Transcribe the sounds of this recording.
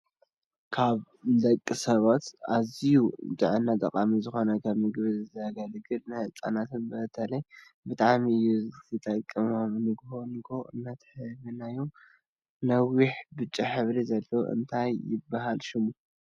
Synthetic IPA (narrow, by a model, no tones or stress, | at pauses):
kʰaβ | lɐkʼːisɐβat̪azijut̪ʼɨʕɨnːat̪ʼɐkʼamizɨxo̞nɐkʰɐβmɨɡβɨɨzaɡalɨɡɨlnɨhɨt͡sʼa̰nat̪ɨnbɨt̪ʰɐlɐj | bɨt̪ʼaʕmiɨjːut̪ɨt̪ʼɐkʼːɨmomnɨɡhonɨɡoɨ̰nːat̪ʰħɨβɨnajo | nɐwiħbɨt͡ʃʼiħɨβɾizɐlːow̰ʔɨ̰nt̪ʰajːɪbaɦalʃɪmu